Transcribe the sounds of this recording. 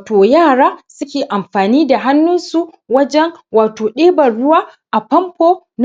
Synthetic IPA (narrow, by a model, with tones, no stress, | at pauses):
toː˨jaː˦˨ɽaː˦sʊ˦kʲeː˨ʔa˨mɸaː˨niː˦da˨ɦa˦nːʊ˦nsu˦ | wɐ˦d͡ʒɛ˦ŋwaː˨toː˨ɗeː˦bɐ˨rɽʊ˦waː˦ | ʔa˨pɐ˦mpoː˦ | n